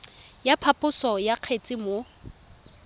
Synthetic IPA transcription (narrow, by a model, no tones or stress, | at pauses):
japʰapʼʊsɔjaq͡χʰet͡sʼɪmo